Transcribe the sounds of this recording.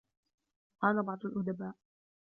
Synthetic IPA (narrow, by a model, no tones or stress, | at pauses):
ʔaːlabɑʕd̪ˤalʔʊd̪abaːʔ